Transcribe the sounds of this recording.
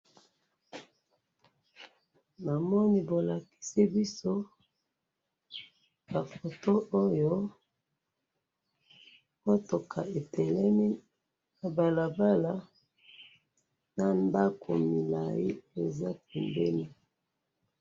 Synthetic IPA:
na˨mɔ˦ni˦bo˨la˨ki̥˦si˦bi˦so˦ | ba˨fo˨to˦o˦jo˦ | ko˦to˨kʰa˨e˨tʰɛ˨lɛ˦mi˦˨ | ba˨la˨ba˦la˦ | na˨nda˦kʰo̰˨mi˨la̰˨ji˦e˨za˦pɛ˨mbɛ˦ni˦

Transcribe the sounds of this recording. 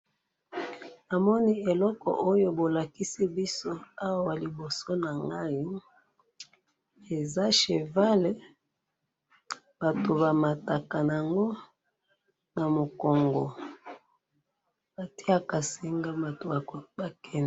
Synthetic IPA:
a˨mɔ˦ni˦e˨lɔ˦kɔ̰˨ʔo˦jo˦bo˨la˨ki˦si˦bi˦so˦a˦wa˦wa˨li˨bo˨so˦na˨ŋɡa˦i˦ | e˨za˦ʃe˨va˦le˨˦ | b̥a˨to˨ba˨ma˨ta˨ka˨n˨a˨ŋɡo˦ | na˨mo˨kɔ˨ŋɡɔ˨ | ba˨ti˦a˦ka˨si˨ŋɡa˦a˨to˨a˨a˨kɛ˦n˨

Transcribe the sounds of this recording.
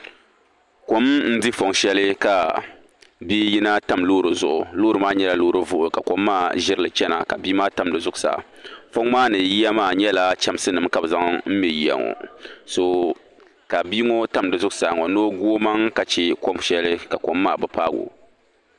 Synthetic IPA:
ko˦mn̩˦di˦fo˨ŋ˨ʃɛ˦lɨ˦ka˨ | biː˦ji˦na˦ta˦˨mloː˦ɾɨ˨zʊ˨ʔʊ˨loː˦ɾɨ˨maː˦ɲɛ˦la˦loː˦ɾɨ˦vʊ˦ʔʊ˨ka˨ko˨mːaː˦ʒɪ˦ɾɨ˦lɨ˨t͡ʃɛ˦na̰˨ka̰˨biː˦maː˦ta˨m˨dɨ˨zʊ˦ɡʊ˨sa̰ː˨ | fo˦ŋmaː˦nɨ˨ji˦ja˦maː˦˨ɲɛ˦la˦t͡ʃɛ˦m˦sɨ˦nɨ˨mka˨bɨ˨za˦ŋm̩˦mɛ˨ji˦ja̰˨ŋɔ̰˨so˨ | ka˨bi˦ŋo˦ta˦mdɨ˨zʊ˦ɡsaː˨ŋɔ˨no˦ɡu˦o˦ma˦ŋka˨t͡ʃɛ˦ko˦mʃɛ˦lɨ˦ka˨ko˨mːaː˦˨bɨ˦paː˦ɡo̰˨

